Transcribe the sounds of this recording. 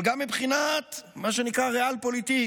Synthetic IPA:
lɡamːibχinat̪maʃenikʁaʁealpo̞lit̪i

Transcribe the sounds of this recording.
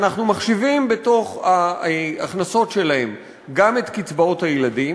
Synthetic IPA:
naχnumaχʃivimbe̞to̞χaaχnaso̞tʃe̞lahe̞m | ɡame̞t̪kit͡sbao̞thajeladi

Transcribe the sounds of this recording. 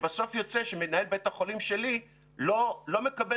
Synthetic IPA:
baso̞fjo̞t͡se̞ʃemenae̞lbet̪haχo̞limʃe̞li | lolo̞me̞kabe

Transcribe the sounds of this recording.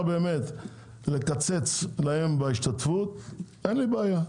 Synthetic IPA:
be̞ːmet̪ | lekat͡se̞t͡slahembaiʃt̪at̪fut̪ʔenlibeaja

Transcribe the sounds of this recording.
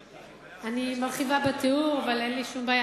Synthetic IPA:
animalχivabet̪euʁavalenliʃumbaːja

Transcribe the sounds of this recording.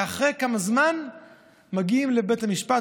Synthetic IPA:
aχʁekamazman | maɡiimlebetamiʃpa

